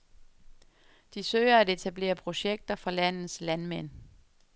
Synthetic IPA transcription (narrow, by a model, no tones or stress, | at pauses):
d̥isøɪɐæde̝t͡sʰæb̥le̝̰ːɐpʰʁo̝ɕeɡ̥̚d̥ɐfɒlæn̰ð̩ˠslænmen̰